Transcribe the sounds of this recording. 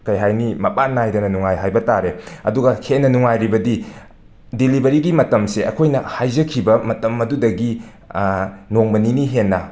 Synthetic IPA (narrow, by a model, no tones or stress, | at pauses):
kɐjɦajnimɐpanːjdɐnɐnuŋajɦajbɐtaɾeɐduɡɐhʰenːɐnuŋajɾibɐdi | dilibɐɾiɡimɐtɐmseɐ̰kʰojnɐhajd͡ʒɐkʰːibɐmɐtɐmɐdudɐɡi | noŋbɐniniɦenːɐ